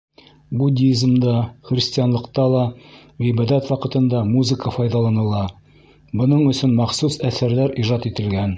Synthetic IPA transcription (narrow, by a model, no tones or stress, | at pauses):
budʲizmd̪ɑχrʲɪsʲtʲijɑnlˠɤ̆qt̪ɑlˠɑ | wibɑd̪æt̪wɑqɤ̆t̪ɤ̆nd̪ɑmuzɘkəfɑjðɑlˠɑnɤ̆lˠɑ | bŏnɤɴɵ̆sɵnmɑqsusæθæɾlæɾiʒɑt̪it̪ɘ̆lɡæn